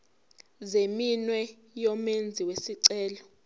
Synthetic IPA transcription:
zeminwɛ | jɔmend͡zʱiwesiǀɛːlɔ

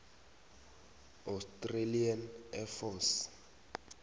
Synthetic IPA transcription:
awstʼrelianɛfɔs

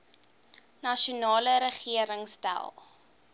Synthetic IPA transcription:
nɐʃunɑːləɾəχiəɾəŋstæ̰lˠ

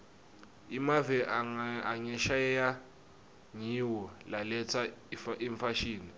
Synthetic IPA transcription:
imavɛʔaaɲɛʃajɛja | ɲiwɔlalɛt͡sʰaʔiɱfaʃiːni

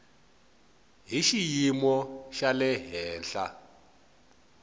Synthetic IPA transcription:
ɦiʃijimɔʃalɛɦɛːnɬa̰

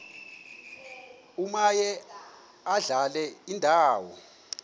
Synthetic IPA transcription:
umajɛ | aɮalɛindʱaːwɔ̰

